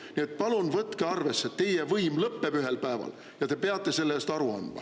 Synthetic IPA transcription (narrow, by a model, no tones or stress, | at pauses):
nie̞t̪̚pɑlunvɤt̪keɑrve̞sːet̪t̪ːe̞jevɤjmlɤpːe̞byɦe̞lpæevɑ̰l | jɑt̪epe̞ɑt̪ːˑe̞se̞lːeːst̪ɑɾuɑ̰nd̪̥mɑ̰